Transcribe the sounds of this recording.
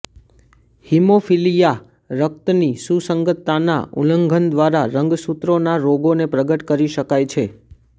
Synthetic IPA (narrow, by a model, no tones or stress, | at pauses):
himofilija | ɾək̚t̪nisusəŋɡət̪ːana̰ṵləŋɡʱənd̪ʋaɾaɾəŋɡsut̪ɾonaɾoɡonepɾəɡəʈkəɾiʃəkajt͡ʃʰe